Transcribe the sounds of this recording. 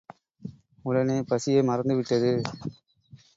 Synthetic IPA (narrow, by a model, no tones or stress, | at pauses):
ʊɽɐneːpɐsɪjemɐɾɐnd̪ɯʋɪʈːɐðɯ